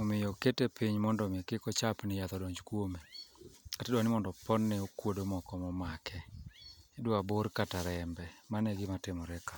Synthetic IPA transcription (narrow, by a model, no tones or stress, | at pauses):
omɪjɔketepiɲmɔndɔmɪkɪkɔt͡ʃapnɪjat̪ɔdɔɲd͡ʒkwomekatɛdwanɪmɔndɔpɔnːɛokwodomɔkɔmɔmakʰɛ | dwaboɾkataɾɛmbɛmanɛɡɪmatɪmɔɾɛka